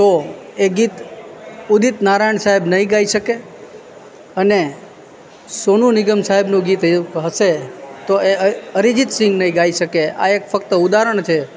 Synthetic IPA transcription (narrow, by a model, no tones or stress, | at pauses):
t̪oeɡit̪ | ud̪it̪naɾajɳsaɦebnəɦĩɡaiʃəke | əne | sonunɪɡəmsaɦebnũɡit̪ɦəʃet̪oeəɾid͡ʒit̪sɪ̃ŋɡnəĩɡaiʃəkea̰ekfəkt̪əud̪aɾəɳ̃t͡ʃʰe